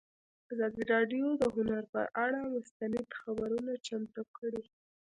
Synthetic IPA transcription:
azɑd̪iɾɑɖjod̪əɦʊnaɾpə̰ʔaɽamʊst̪anɪd̪xabaɾunat͡ʃamt̪ukəɽi

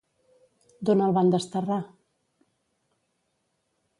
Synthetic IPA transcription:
d̪onəlˠβand̪əst̪əra

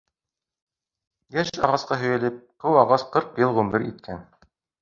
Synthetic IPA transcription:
jæʃɑʁɑsqɑɦɵ̆jælɘp̚qɤwɑʁɑsqɤɾqjɤlˠʁʉmɘɾit̪̚kʰæn

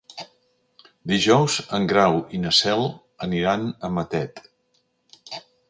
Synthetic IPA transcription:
d̪iʒɔwzəŋɡɾawinəsɛlˠ | əniɾanəmət̪ɛt̪

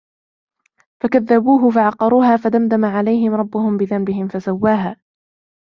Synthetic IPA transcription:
fakaðːabuːɦʊfaʕɑqɑɾˤuːɦaːfad̪amd̪amaʕalajɦɪmɾˤɑbːʊhʊmbɪðambɪɦɪmfasawːaːɦaː

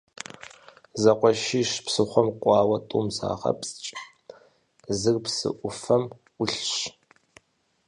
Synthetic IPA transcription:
zɐqʷɔʃiːʃpsɨχʷɔmqʷʼɑːwɐtʼuːmza̰ːʁɐ̰psʼt͡ʃʼ | zɨrpsɨ̰ʔʷʊfɐmʷ | ʊɬɕ

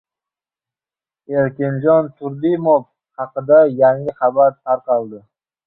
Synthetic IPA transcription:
eɾkʲɪnd͡ʒɒnt̪ʰʊɾd̪ɪmof | hɑqɨd̪ajaŋɪχɑbaɾt̪ʰaɾqʰɑlˠd̪ɪ

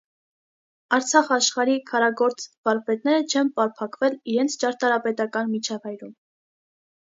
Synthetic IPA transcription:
ɑɾt͡sʰɑχɑʃχɑɾikʰɑɾɑɡɔɾt͡svɑɾpɛt̪̚nɛɾət͡ʃʰɛnpɑɾpʰɑkvɛliɾɛnt͡sʰt͡ʃɑɾt̪ɑɾɑpɛt̪ɑkɑnmit͡ʃʰɑvɑjɾum

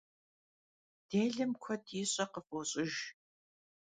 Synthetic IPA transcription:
d̥eːɮɨmkʷʰɔdʰiːɕʼɐqəfʼoːɕʼɪʒ

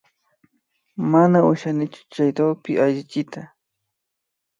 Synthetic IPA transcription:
manaʊʃanɪt͡ʃʊ̥t͡ʃajɾawpɪaʎɪt͡ʃɪt̪a

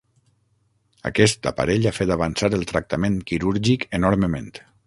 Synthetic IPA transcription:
ə̰kɛst̪a̰pa̰ɾeʎafet̪aβansaɾəlˠt̪ɾək̚t̪ameŋkiɾuɾʒikənoɾməmḛ̃nt̪

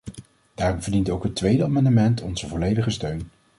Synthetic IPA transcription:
d̥aːrɔmvəɹdintowkɦətʋejdəaːmɑndəmɛntʰɔnzəvɔlejdəχəstøɥn

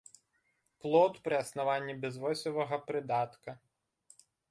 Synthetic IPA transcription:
plˠɔt̪pɾɨɐsnavanʲːibʲɛzvɔsʲɔvɐɣɐpɾɨd̪at̪kɐ

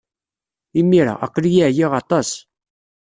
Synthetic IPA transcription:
imːiɾa̰æ̰qːlijiʕjiʁɑt̪ˤɑs

